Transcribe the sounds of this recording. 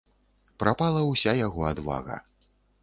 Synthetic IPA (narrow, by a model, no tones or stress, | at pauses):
pɾapalˠɐwsʲajaɣɔad̪va̰ɣɐ̰